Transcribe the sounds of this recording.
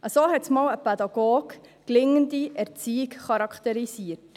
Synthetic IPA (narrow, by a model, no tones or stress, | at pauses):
ʔəsoːɦɛtsmɑːwəpɛd̪ɑɡoːɡklɪŋəndiʔɛɾt͡siːikχɑɾɑkχt̪ɛɾisiət